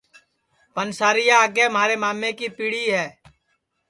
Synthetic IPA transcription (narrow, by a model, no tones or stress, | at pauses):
pənsaːɾɪjaːɡemɦaːɾemaːmːekipiːɽiɦɛː